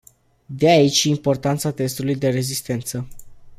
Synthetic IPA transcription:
d̪eait͡ʃʲimpo̞rt̪ant̪sat̪e̞st̪ulujd̪e̞ɾe̞zist̪e̞nt̪sə

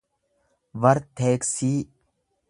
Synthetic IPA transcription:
ʋɐɾtt̪ʰːeːksiː

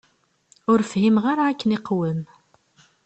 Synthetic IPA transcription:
ʊɾfhimʁaɾaːkːəniqwəm

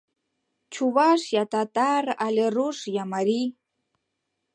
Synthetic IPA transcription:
t͡ʃʰuβaʃjat̪at̪araleruʂjamaɾi

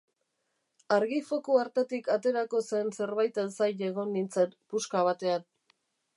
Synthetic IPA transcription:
aɾɣifo̞kuaɾt̪et̪ikat̪e̞ɾako̞se̞nse̞ɾβajt̪ensajʎe̞ɣ̞o̞nːint͡set̪puskaβat̪e̞an

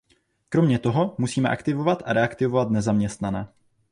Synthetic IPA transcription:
kɾo̞mɲɛt̪oɦo̞musiːmɛʔakt̪ɪvo̞vat̪ʔaɾɛakt̪ɪvo̞vat̪nɛzamɲɛst̪nanɛː

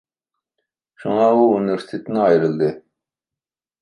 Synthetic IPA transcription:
ʃuŋɑuuniveɾsi̥t̪ʰet̪ʰɪnɪɑjɾɨlˠd̪ɨ

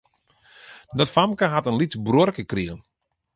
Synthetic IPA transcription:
dɔtfamkaɦatənlitbrorkəkriən

